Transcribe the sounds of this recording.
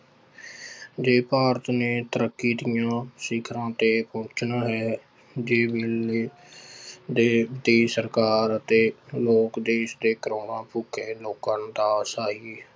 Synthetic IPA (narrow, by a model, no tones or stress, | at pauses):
d͡ʒeːpaːɾət̪neːt̪əɾəkːiːd̪ɪjãːsɪkʰɾãːt̪eːpõːt͡ʃnaːɦɛː | d͡ʒeːbɪleː | d̪eːd̪eːsəɾkaːɾət̪eːloːkd̪eːʃd̪eːkəɾoːnãːpʊːkʰeːloːkãːnd̪aːsaːiː